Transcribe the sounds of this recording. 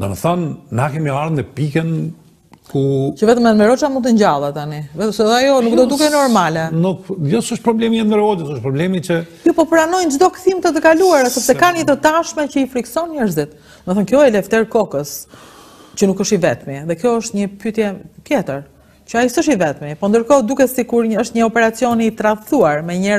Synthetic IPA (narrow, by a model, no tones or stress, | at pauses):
nd̪a̰nəθɔnːakɛmiaɾnɛpikən | kucəvɛt̪əmɛnmɛɾɔt͡ʃamunt̪əɲd͡ʑalˠat̪anivɛt̪əsɛajɔnukd̪ɔd̪ukɛnɔɾmalɛnukjɔsəʃt̪̚pɾɔblɛmiɛdəɾɔdəsəʃpɾɔblɛmit͡ɕəkjɔpɔpɾanɔjnd͡ʒd̪ɔkθimt̪ət̪əkaluaɾasɛpsɛkanət̪ət̪aʃmɛcəifɾiksɔnɲɛɾzit̪ | məθɔnkjɔɛlɛft̪ɛɾkɔkəs | t͡ɕənukəʃt̪ivɛt̪miðɛkjɔəʃt̪ɲəpyt̪jɛt̪jɛt̪əɾ | cəaisəʃivɛt̪mipɔnd̪əɾkɔd̪ukɛsikuɾɲəʃt̪ɲəɔpɛɾat͡siɔniːt̪ɾaft̪uaɾmɛɲɛɾ